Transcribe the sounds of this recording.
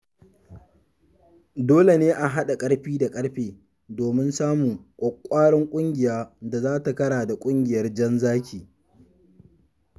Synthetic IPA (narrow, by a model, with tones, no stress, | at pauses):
doː˦le˨neː˦ʔa˨ɦa˦ɗa˨kʼɐ˦ɽɸiː˦da˨kʼɐ˦ɽɸeː˨ | doː˨mɪ˦nsaː˦muː˨kʷʼɔ˨kʷʼːaː˦ɽɔ˦ŋkʷʼʊ˦ŋɡʲɪ˨jaː˦da˨zaː˦ta˨kɐ˦ɽaː˨da˨kʷʼʊ˦ŋɡʲɪ˨jɐ˦rd͡ʒɐ˦nzaː˦kʲʰiː˨